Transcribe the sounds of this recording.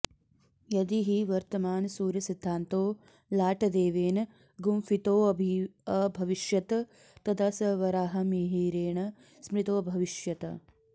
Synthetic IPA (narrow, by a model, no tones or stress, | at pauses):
jɐd̪iɦiʋɐɾt̪ɐmaːnsuːɾjɐsid̪ʱːaːnt̪oː | laːʈɐd̪eːʋeːnɐ | ɡumfit̪oːɐbʱiɐbʱɐʋiʃjɐt̪ɐ | t̪ɐd̪ɐsɐʋɐɾaːɦɐmiɦiːɾeːɳɐ | smɾit̪oːbʱɐʋiʃjɐt̪ɐ̰